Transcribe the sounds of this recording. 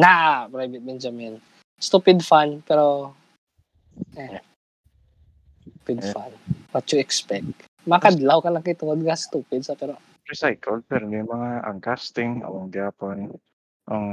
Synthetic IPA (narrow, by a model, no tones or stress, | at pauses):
naʔpɾajvɪt̪̚bɛnd͡ʒɐmɛn | st̪uːpɪd̪fanpɛɾo | ɛ | pɪd̪fanwɐt̪jʊɛkspɛk̚t̪̚ | mɐakad̪lawkɐlɐŋkit̪ʊŋod̪̚kɐst̪uːpɪd̪̚sapɛɾo | pɾɪsajkʰɐlpɛɾnjʊŋmɐŋaʔɐŋkast̪ɪŋo̰ɐŋd̪aːpon | ʔoŋ